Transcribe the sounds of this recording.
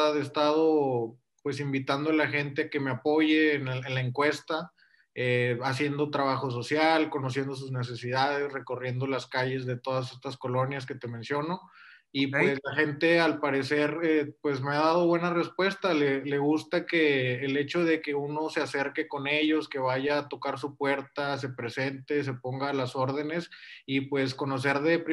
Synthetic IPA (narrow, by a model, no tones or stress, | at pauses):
ðest̪að̞o̞ | pwe̞simbit̪and̪oalaxe̞nt̪e̞ake̞meapo̞ʝeːnenlaeŋkwe̞st̪a | easje̞nd̪o̞t̪ɾaβ̞axo̞s̬o̞sjalko̞nos̬je̞nd̪o̞s̬uzne̞s̬e̞sið̞að̞e̞sre̞ko̞rje̞nd̪o̞laskaʝe̞zðe̞t̪o̞ð̞as̬e̞st̪asko̞lo̞njaske̞t̪e̞mẽ̞nsjo̞no̞ | ipweslaxe̞nt̪e̞alpaɾe̞se̞ɾepwe̞zme̞aðaðo̞βwe̞nare̞spwe̞st̪alele̞ɣust̪akeːle̞t͡ʃo̞ð̞e̞ke̞uno̞sease̞ɾke̞ko̞ne̞ʝo̞ske̞βaʝaːt̪o̞kaɾs̬upwe̞ɾt̪as̬e̞pɾe̞se̞nt̪e̞s̬e̞po̞ŋɡaːlaso̞ɾðe̞ne̞sipwe̞sko̞no̞s̬e̞ɾðe̞pɾi